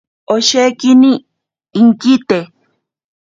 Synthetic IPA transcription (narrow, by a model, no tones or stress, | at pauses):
oʃekɪnɪː | ŋkɪt̪e